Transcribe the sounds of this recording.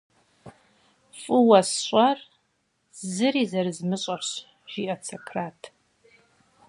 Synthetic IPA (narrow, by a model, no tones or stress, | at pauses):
fʼɨwɐsɕʷʼar | zɨɾizɐrɨzmɨɕʼaħɕ | ʒ̥iʔɐt͡sʰakʰraːtʰ